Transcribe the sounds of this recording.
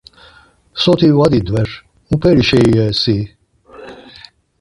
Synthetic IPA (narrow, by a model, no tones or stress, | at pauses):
sɔt̪iwad̪id̪wɛɾ | ũpɛɾiʃɛɛsi